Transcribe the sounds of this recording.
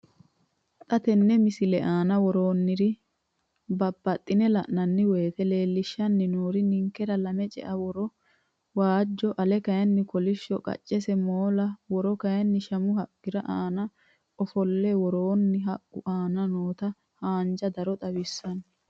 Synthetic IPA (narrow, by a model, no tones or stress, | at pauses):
t̪ʼɐt̪ɛnːɛmɪsɪlɛʔaːnɐwɔɾoːnːɪɾɪ | bɐbːɐt̪ʼːɪnɛlɐʔnɐnːɪweːt̪ɛle̞ːlːɪʃːɐnːɪnoːɾɪnɪŋkːɛɾɐlɐmɛt͡ʃʼɛ̰ʔɐwɔɾɔ | waːd͡ʒːɔʔɐlɛkɐjɐnːɪkɔlɪʃːɔkʼɐ̰t͡ʃʼːɛsɛmoːlɐwɔɾɔkɐjɐnːɪʃɐmʊhɐɡːɪɾɐʔaːnɐ | ʔɔfɔlːɛwɔɾoːnːɪɦɐʔʊʔaːnɐnoːt̪ɐ | haːnd͡ʒɐd̪ɐɾɔt̪ʼɐwɪsːɐn